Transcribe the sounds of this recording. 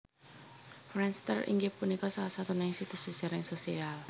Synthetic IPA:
fɾɛnst̪ə̰rḭŋɡepunikɔsalasat̪unainsit̪usi̥ʒ̥a̤ɾɪŋsosial

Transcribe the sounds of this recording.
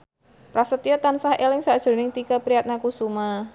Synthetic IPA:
pɾasət̪iɔt̪ansahelɪŋsad̥ʒ̥o̤nɪŋt̪ikapɾiat̪̚nakusuma

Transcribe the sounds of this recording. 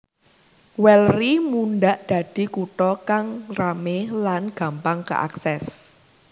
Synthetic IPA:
wɛlrimunɖaʔd̪̥ä̤d̪̥i̤kuʈɔkaŋramehlanɡ̥ä̤mpaŋkə̰ʔa̰ksɛs

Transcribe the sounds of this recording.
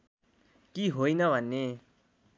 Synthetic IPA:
kiɦojnʌbʱʌnːe

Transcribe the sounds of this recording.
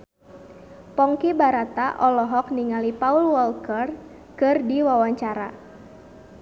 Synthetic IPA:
pɔŋkibaɾat̪aʔɔlɔɦɔk̚niŋalipaulwɔlkər | kɨrdiwawaɲt͡ʃaɾa̰

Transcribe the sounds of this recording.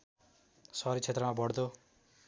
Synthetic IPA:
sʌɾit͡sʰet̪rʌmabʌɽd̪o

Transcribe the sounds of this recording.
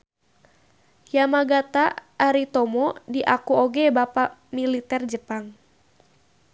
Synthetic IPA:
jamaɡat̪aːɾit̪ɔmɔdiʔakuoɡɛbapamilit̪ɛrd͡ʒəpaŋ

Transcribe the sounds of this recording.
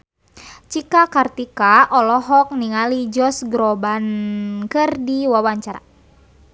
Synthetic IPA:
t͡ʃikakart̪ikaʔɔlɔɦɔk̚niŋalid͡ʒɔsɡɾɔbankɨrdiwawaɲt͡ʃaɾa̰

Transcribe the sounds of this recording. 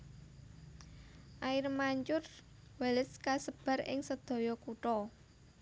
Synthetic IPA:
ʔaɪrmaɲt͡ʃʊr | waləskasəb̥a̤ɾɪ̰ŋsəd̪̥ɔ̤jɔkuʈɔ

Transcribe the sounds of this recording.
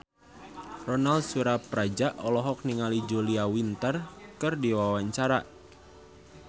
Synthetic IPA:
rɔnald̚suɾapɾad͡ʒaʔɔlɔɦɔk̚niŋalid͡ʒuliawint̪ərkɨrdiwawaɲt͡ʃaɾa

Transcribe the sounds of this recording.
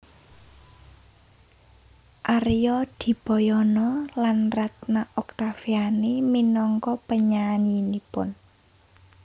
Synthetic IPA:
ʔaɾjɔd̪̥i̤b̥ɔjɔnɔlanrat̪naʔɔk̚t̪afianiminɔŋkɔpəɲaɲinipʊn

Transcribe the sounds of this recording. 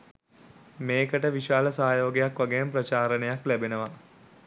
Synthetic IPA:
meːkəʈəʋiʃaːləsaːjoːɡejakʋaɡemprɐt͡ʃaːɾənejaklæbenəʋa

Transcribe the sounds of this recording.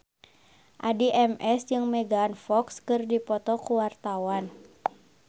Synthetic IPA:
ʔadiʔɛmɛsd͡ʒɨŋmɛɡaːnfɔkskɨrdipɔt̪ɔkuwart̪awan

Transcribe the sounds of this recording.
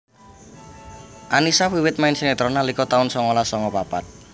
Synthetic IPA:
ʔanisawiwɪt̪̚maɪnsenet̪ɾɔnalikɔt̪aʊnsɔŋɔlasɔŋɔpapat̪̚

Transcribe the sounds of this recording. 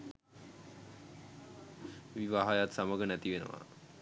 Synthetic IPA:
ʋiʋaɦajat̪saməɡənæt̪iʋenə̰ʋa̰

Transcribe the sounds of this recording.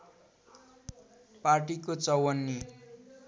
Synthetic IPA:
parʈikot͡sʌwʌnːi

